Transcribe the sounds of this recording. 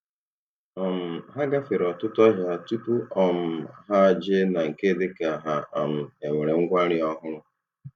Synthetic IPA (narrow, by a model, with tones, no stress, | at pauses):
ɔ˨m̩˨ɦa˦ɡa˦fe˨ɾɔ˨tʊ˦tɔ˦ɦa˨tu˦pu˦ɔ˨m̩˨ɦa˦d͡ʒe˦na˨ŋ̩˨ke˦de˦ka˨a˨ɦa˨a˨m̩˨e˨me˨ɾe˨ŋ̩˦ɡʷa˦ɾɪ˦ɔ˦ɦʊ˦ɾʊ˦